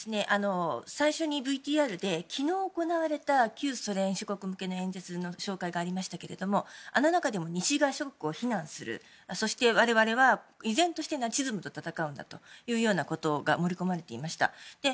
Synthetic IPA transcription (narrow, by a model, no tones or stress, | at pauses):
d̪esɨne̞ʔano̞saiɕo̞ɲ̟ibɯit̪ʲiːaːɾɯ̟d̪e̞kʲʰino̞ːko̞naβ̞aɾe̞t̪akʲɨːso̞ɾẽ̞ɰ̃ɕoko̞kɯ̟mɯ̟ke̞no̞ẽ̞nd͡zet͡sɨno̞ɕo̞ːkaiɡaːɾʲimaɕi̥t̪ake̞ɾe̞d̪o̞mo̞ano̞nakad̪e̞mo̞ɲ̟iɕiɡaɕokokɯ̟o̞çinãɰ̃sɨɾɯ̰ | so̞ɕi̥t̪e̞βaɾe̞βaɾe̞βaizẽ̞nt̪o̞ɕi̥t̪e̞nat͡ɕizɨmɯ̟t̪o̞t̪at̪akaɯ̟̃nd̪a̰t̪o̞jɯ̟ːjo̞ːnako̞t̪o̞ɡa̰mo̞ɾʲiko̞maɾe̞t̪e̞imaɕi̥t̪a̰d̪̥e̞